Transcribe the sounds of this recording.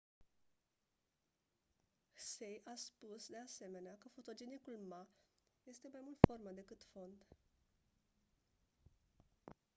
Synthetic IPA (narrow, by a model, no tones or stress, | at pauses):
hsejʔaspusd̪e̞ase̞me̞neakəfo̞t̪o̞d͡ʒenikulmaje̞st̪e̞majmult̪fo̞rmad̪e̞kɨt̪fo̞nd̪